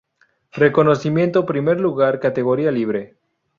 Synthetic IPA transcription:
re̞ko̞no̞simje̞nt̪opɾime̞ɾluɣaɾkat̪e̞ɣo̞ɾialiβ̞ɾe̞

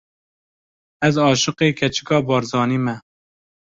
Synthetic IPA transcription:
ɛzɑːʃɨqeːkʰɛt͡ʃʰɪ̥kɑːbɑːɾzɑːniːmɛ

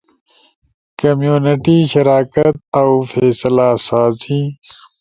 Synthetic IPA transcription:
kɐmjuːnɪʈiɕɐɾaːkɐt̪̚awfeːslaːsaːzi

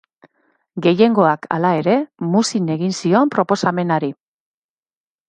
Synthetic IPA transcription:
ɡe̞je̞ŋɡo̞akʰa̰lae̞ɾe̞musine̞ɣinsio̞mpɾo̞po̞same̞naɾi

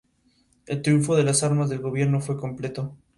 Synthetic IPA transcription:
e̞lt̪ɾjuɱfo̞ðe̞lasaɾmazðe̞lɣo̞β̞je̞ɾno̞fwe̞ko̞mple̞t̪o̞

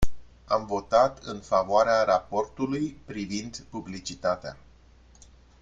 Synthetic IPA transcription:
amvo̞t̪at̪ɨnfavoaɾeaɾapo̞rt̪ulujpɾivind̪publit͡ʃit̪at̪ea̰

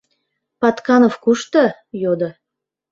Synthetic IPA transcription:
pɑt̪kɑnofkuʃt̪ə | jod̪ɤ

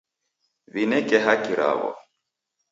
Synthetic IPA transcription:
βinɛkɛɦakiɾa̰ɣɔ̰

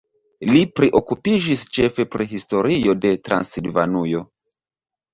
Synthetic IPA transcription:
lipɾiʔo̞kupid͡ʒist͡ʃe̞fe̞pɾiɦisto̞ɾio̞de̞tɾa̰nsilva̰nujo̞

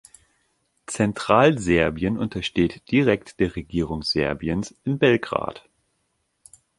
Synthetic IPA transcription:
t͡sɛntʁ̥aːlzɛɐbiənʔʊ̰ntɐʃteːtd̥iʁɛktd̥eːɐʁeɡiːʁ̞ʊŋz̥ɛɐbiənsɪnbɛlɡʁa̰ːt

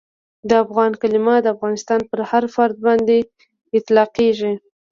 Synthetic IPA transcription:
d̪əafɣɑnkalɪmɑd̪əafɣɑnɪst̪ɑnpəɾhaɾfaɾd̪̚bɑnd̪e | ɪt̪lɑqeʒi

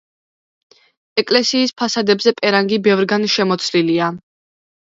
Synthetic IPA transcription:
ɛkʼlɛsiːspʰasad̪ɛbzɛpʼɛɾaŋɡibɛvɾɡanʃɛmɔt̪sʰlilia

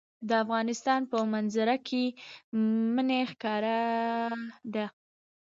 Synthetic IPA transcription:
d̪əafɣɑnɪst̪ɑnpəmanzaɾakʰe | mənexkɑɾa | d̪a

